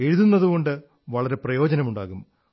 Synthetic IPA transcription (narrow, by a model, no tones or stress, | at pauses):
eɻuðunːɐðuɣo̞ɳɖɨ | ʋɐɭɐɾe̞prɐjo̞ːd͡ʑɐnɐmuɳɖaːɣum